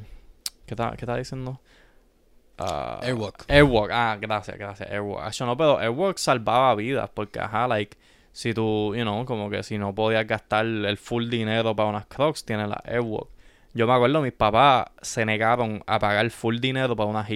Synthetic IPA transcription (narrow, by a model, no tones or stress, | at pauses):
ket̪a̰ket̪aðisjend̪o | a̰wokewokaɡɾasja̰ɡɾasja̰ʔewo̰keʃonope̞ɾo̞ʔewoksalbaβaβiða̰po̞ɾke̞a̰ɦalajk | sit̪ujunowko̞mo̞ke̞̰sino̞po̞ðiazɡast̪alelfuld̪ine̞ɾo̞paɾaunaskɾokst̪jenela̰ʔewo̰k̚ | ɟ͡ʝo̞meakweɾðomispapase̞ne̞ɣaɾo̞ŋa̰paɣaɾelfuld̪ine̞ɾo̞paɾaunaɦi